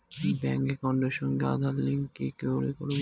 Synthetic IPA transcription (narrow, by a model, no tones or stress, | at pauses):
bɛŋkekɔɳɖeɾʃɔŋɡea̰d̪ʱalliŋkekeoɾeko̰ɾe